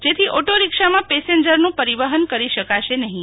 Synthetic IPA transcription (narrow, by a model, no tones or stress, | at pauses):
d͡ʒet̪ʰiʔoʈoɾikʃamãpeseɲd͡ʒəɾnũpəɾiʋaɦənkəɾiʃəkaʃenəɦĩ